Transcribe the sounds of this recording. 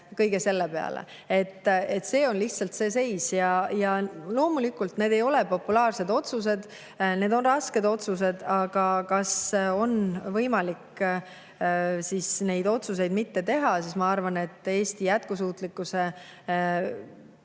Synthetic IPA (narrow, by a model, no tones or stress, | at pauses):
kɤjɡ̥ese̞lːepe̞ɑ̰lḛ | e̞t̪ːˑe̞t̪ːse̞ːo̞nliht̪sɑlt̪se̞ːs̬e̞jsjɑjɑlo̞ːmulikːˑult̪ne̞ːd̪e̞jo̞lɛpo̞pːulɑːrse̞d̪o̞t̪sus̬e̞d̪̥ | ne̞ːd̪o̞nrɑske̞d̪o̞t̪sus̬e̞d̪̥ɑɡ̥ɑkɑso̞nvɤjmɑlikː | sisne̞jd̪o̞t̪sus̬e̞jd̪mit̪ːe̞t̪e̞ɦɑsismɑɑrvɑne̞t̪ːˑe̞ːst̪ijæt̪̚kusuːt̪ˑlikːˑuse̞